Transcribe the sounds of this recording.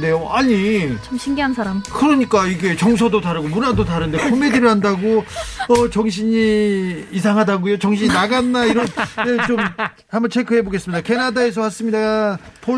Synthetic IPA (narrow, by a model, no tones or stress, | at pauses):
de̞joaɲit͡ɕmɕʰiŋɡiɦansʰaɾamkɯɾʌɲik͈aiɡe̞t͡ɕʌŋsʰʌdotaɾɯɡomunadotaɾɯnde̞kʰomediɾɯɭɦandaɡoʌt͡ɕʌŋɕ̬ʰiɲiː | sʰaŋɦadaɡujot͡ɕʌŋɕʰiɲinaɡanːaiɾʌnjet͡ɕom | hambʌnt͡ɕʰe̞kʰɯɦeboɡe̞s͈ɯmɲidake̞nadae̞s̬ʰʌhas͈ɯmɲidapʰo